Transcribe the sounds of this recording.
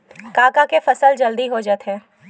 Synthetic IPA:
kaːkakefɐsəld͡ʒɐld̪iɦod͡ʒət̪ɦɛ̃ː

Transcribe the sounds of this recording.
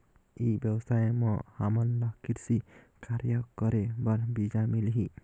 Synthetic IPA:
ejbjɔbsajemɔhamɔnlɔkiɾsi | kaɾjɔkɔɾebaɾbid͡ʒamiliɦi

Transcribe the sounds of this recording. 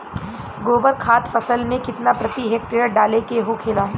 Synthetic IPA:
ɡoːbəɾkʰaːt̪fɐsəlmẽkɪt̪napɾɐt̪iɦɛːk̚ʈeːəɾɖaːlekeɦokʰeːlaː

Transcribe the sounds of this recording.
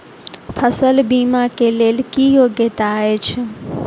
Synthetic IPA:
pʰəsəlbimãkelelkijoɡjet̪aɦet͡ʃʰe

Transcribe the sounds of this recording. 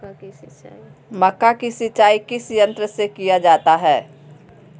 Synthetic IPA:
mɐkːakisɪt͡ʃːaːikɪsjə̃nt̪ɾəsekijad͡ʒaːt̪aɦɛː

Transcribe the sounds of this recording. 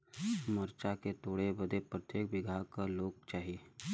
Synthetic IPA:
məɾt͡ʃaket̪oːɽebəd̪epɾət̪jeːkbɪɡʱakaloːɡ̚t͡ʃaːɦie

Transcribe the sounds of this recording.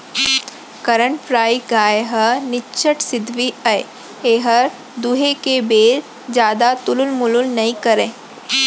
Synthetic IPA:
kəɾəɳʈpʰɾaːiɡaːjɦənɪːt͡ʃʰəʈsɪd̪ʱʋiɐe | eːɦəɾ | d̪uɦekebeːɾ | d͡ʒjaːd̪at̪ʊlʊlmʊlʊlnɐĩkɐɾẽː

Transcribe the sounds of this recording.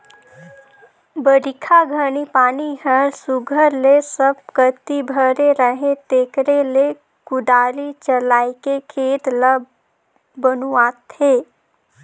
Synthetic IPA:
bəɾɪkʰaɡʱənipaːniɦəɾsʊɡʱəɾlesəb̚kət̪ibʱəɾeɾəɦẽt̪eːkɾele | kʊɖ̪aːɾit͡ʃəlaːikekʰeːt̪ləb | bənuaːt̪ʰeː

